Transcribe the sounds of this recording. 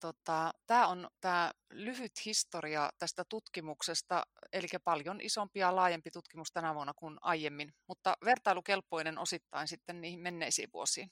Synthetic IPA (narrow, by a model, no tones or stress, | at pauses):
t̪ot̪ɑt̪æːont̪æː | lyhyt̪hist̪oriɑt̪æst̪æt̪ut̪kimuksest̪ɑ̰elikæpɑljonʔḭsompijɑlɑːjempit̪ut̪kimust̪ænæʋuɑnːɑkunɑijemːinmut̪ːɑʋert̪ɑilukelpːˑoinenosit̪ːɑinsit̪ːenniːhimmenːeisḭːʋʋṵosiːn